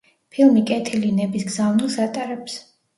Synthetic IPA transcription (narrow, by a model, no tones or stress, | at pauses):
pʰilˠmikʼɛt̪ʰilinɛbisɡzavnilˠsat̪ʼaɾɛps